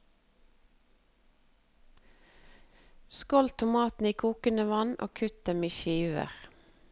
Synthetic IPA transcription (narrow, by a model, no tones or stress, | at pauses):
skɔlt̪ʰʊmɑːt̪n̩iːkʰuːkənəʋɑnʔo̰ːkʰʉt̪̚d̪ɛmiːʃiːʋə̰ʁ